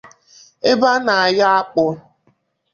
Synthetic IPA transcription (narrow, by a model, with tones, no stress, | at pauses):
e˦ba˦na˨a˨ja˦a˦k͡pʊ˨